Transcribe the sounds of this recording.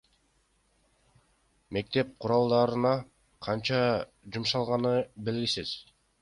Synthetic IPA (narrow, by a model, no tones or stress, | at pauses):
me̞k̚t̪e̞p̚qʰʊɾɑlˠd̪ɑɾɯnɑ | qʰɑnt͡ʃɑ | d͡ʒumʃɑlˠʁɑnɯbe̞lɡisiz̥